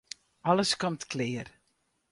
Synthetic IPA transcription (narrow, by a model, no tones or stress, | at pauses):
ɔləskɔmtklɪːər